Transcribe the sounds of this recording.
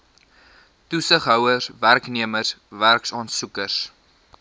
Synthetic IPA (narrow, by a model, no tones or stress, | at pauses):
tusəχɦœwəsværkniəmərsværksɑːnsukəs